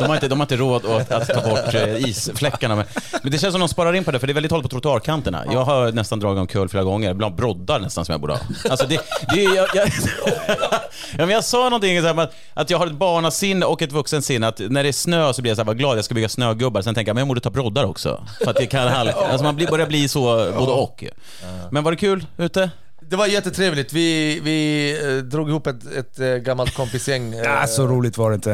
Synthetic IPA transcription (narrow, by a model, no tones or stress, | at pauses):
d̪ɔmhaɾɪnt̪əd̪ɔmhaɾɪnt̪əɾoːd̪ɔt̪a̰t̪ʰːɑːbɔʈːiːsflɛkːaɳamɛnmɛnd̪ɛʃɛnsɔmd̪ɔmspɑːɾaɾɪnːpɔd̪ɛfœɖɛɾɛlɪt̪hɔlt̪pʰɔt̪ɾʊt̪ʊɑːɾkʰant̪əɳa̰jɑːɡɦanɛst̪and̪ɾɑːɡɪt̪ɔmkʰœːlfleːɾaɡɔŋːəɾbland̪bɾɔd̪ːaɾɳɛst̪ansɔmja̰buːɖə̰hɑ̰ːalsɔd̪ɛd̪ɛjɑjɑ | jɑːmɛnjɑsɑːnɔnt̪ɪŋːsaæːmat̪ | ʔat̪jɑːɡhaɾɛt̪̚bɑːɳasɪnːɔkːɛt̪vɵksənsɪnːat̪næɖɛæʂnøːsɔblɪɾjasaæːɾvaɡlɑːd̪jɑskabʏɡːasnøːɡɵbːaɾsɛnɛŋk̪ːəjamɛnjaɡmɔːd̪ət̪ʰɑːbɾɔd̪ːaɾɔ̰ksɔ̰ | fəɾat̪jakʰanalːa̰ls̬ɔmanblbœɾjabliːsɔboːd̪əɔkː | mɛnvaɖɛkʰʉ̟ːlʉ̟ːt̪ə | d̪ɛvaɾjɛt̪ːət̪ʰɾeːvlɪɡ̚t̪vɪvɪ | d̪ɾuːɡɪhuːpːɛt̪ɛt̪ɡamːalt̪̚kʰɔmpɪsjɛŋːasɔɾuːlɪɡ̚t̪vaɾɛɪnt̪ə